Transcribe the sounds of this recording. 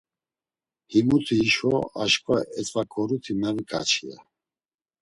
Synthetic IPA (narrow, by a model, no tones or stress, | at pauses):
himut̪ʰiːʃɔaʃkʼvaɛt͡sʼvakʰʼɔɾut̪ʰimɛɾkʼa̰t͡ʃʰia̰